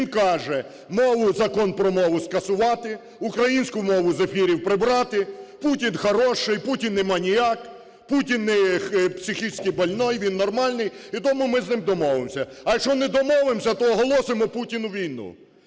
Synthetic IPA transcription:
ʋʲinkɑʒɛ | mɔʋʊzɐkɔnpɾɔmɔʋʊskɐsʊʋɑt̪ɪ | ʊkɾɐjinʲsʲkʊmɔʋʊzefʲiɾʲiwpɾɪbɾɑt̪ɪputʲinxɐɾɔʃɪjputʲinːɛmɑnʲijak | putʲinːɛjɛxpsʲɪxʲisʲkɪjbɐlʲnɔjʋʲinːɔrmɑlʲnɪjit̪ɔmʊmɪznɪmd̪ɔmɔʋɪmsʲɐɐkt͡ʃɔnɛd̪ɔmɔʋɪmsʲɐt̪ɔːɦɔlˠɔsɪmɔputʲinʊʋʲijnṵ

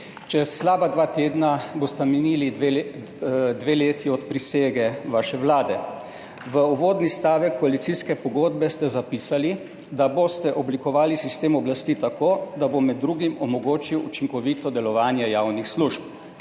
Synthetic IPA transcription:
t͡ʃɛsːlaːbad̪ʋaːt̪eːd̪nabost̪aminili | d̪ʋeːleːt̪iɔt̪pɾiseːɡɛʋaʃɛʋlaːd̪ɛ | ʋəuʋoːd̪nist̪aːʋɛkːɔalit̪siskɛpɔɡoːd̪bɛst̪ɛzapiːsali | d̪abost̪ɛʔɔblikɔʋaːlisist̪eːmɔblast̪iːt̪akoːd̪abomɛd̪ːɾuːɡimɔmɔɡoːt͡ʃiwṵt͡ʃiŋkɔʋiːt̪ɔd̪ɛlɔʋaːnjɛjaːwnixsluʃp̚

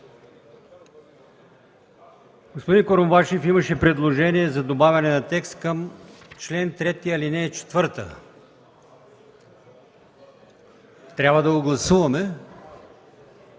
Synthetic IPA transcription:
ɡospod̪inkoɾmobaʃɛfiməʃɛpɾɛd̪lˠoʒɛniɛzɐd̪obavʲɐnɛnɐt̪ɛkst̪kɐmt͡ʃlɛnt̪ɾɛt̪iɐlinɛt͡ʃɛ̥t̪vɤɾt̪ə̰ | t̪ɾʲabvəd̪ɐɡoɡlˠɐsuvɐmɛ

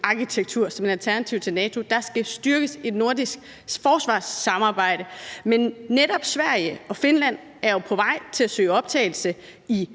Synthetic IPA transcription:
ʔɑ̈kʰit͡sʰeɡ̥̚t͡sʰuɐ̰sɒ̽me̝ælt͡sʰæɐnæt͡sʰiʊ̰t͡sʰe̝lnɛːt͡sʰo̝d̥ɑ̈sɡ̥æsd̥ɶɐɡ̥əse̝d̥no̝ɐ̰d̥isɡ̥ | fɒːsʋɑ̰̈ːsːɑ̈mɑ̈ːb̥ɑ̈ɪ̰dɾəmenːeɾ̥ɒ̽b̥sʋæɐ̰jəɒ̽fe̝nlæn̰ | æɐjo̝pʰɒ̽ʋɑ̈ɪ̰t͡sʰe̝læsø̰ːɒ̽b̥̚t͡sʰɛ̰ɪl̩sə | i

